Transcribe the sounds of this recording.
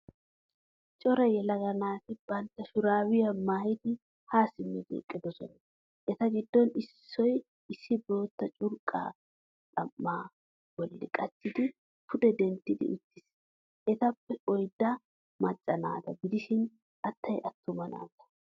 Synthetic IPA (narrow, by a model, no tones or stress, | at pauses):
t͡ʃʼɔɾɐjɛlɐɡɐnaːt̪ɪbɐnt̪ːɐʃʊɾaːwɪjɐmaːhɪd̪ɪ | haːsɪmːɛd͡ʒḛːkʼːɪd̪ɔsɔnɐ | ʔɛt̪ɐɡɪd̪ːɔnɪsːɔj | ɪsːɪbo̞ːt̪ːɐt͡ʃʼʊɾkʼːa̰ː | ᶑʼɐmːaː | wɔlːɪ̰kʼɐt͡ʃːɪd̪ɪ | pʰʊd̪ɛd̪ɛnt̪ːɪd̪ɪ̰ʔʊt̪ːɪs | ʔɛt̪ɐpːɛɔjd̪ːɐ | mɐt͡ʃʼːɐna̰ːt̪ɐɡɪd̪ɪʃɪn | ʔɐt̪ʰːɐjʔɐt̪ːʊmɐna̰ːt̪ɐ̥